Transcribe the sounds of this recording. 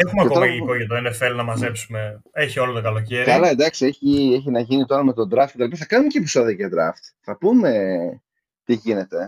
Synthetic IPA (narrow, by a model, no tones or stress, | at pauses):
exumɐket̪oɐiikoʝɐt̪oenefe̞lnɐmɐze̞psume̞eçiolot̪okɐlo̞ceɾiɐlɐend̪ɐksieçieçinɐʝinit̪o̞ɾɐme̞t̪o̞d̪ɾɐft̪ket̪ɐlipɐθɐkɐnumeceepi̥so̞ðiɐʝɐd̪ɾɐ̰ft̪θɐpume̞ | t̪iʝine̞t̪e̞